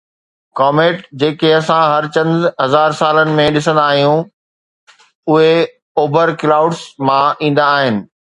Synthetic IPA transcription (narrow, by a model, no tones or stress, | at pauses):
kɔːmẽːʈd͡ʑeːkeɐsãɦɐɾt͡ɕɐ̃nd̪ɦɐzaːɾsaːlənɪ̆mẽɗɪsə̃nd̪aːɦijũ | ʊɦe | oːbəɾklaːʊɖsmãĩːn̆d̪aːɦɪnɪ̆